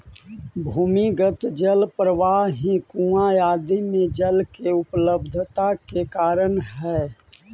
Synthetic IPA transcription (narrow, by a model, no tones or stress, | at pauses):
bʱuːmiɡət̪d͡ʒəlpɾəʋaːɦɦĩkũːajaːd̪imẽd͡ʒəlkeʊpləbd̪ʱt̪akekaːɾənɦɛː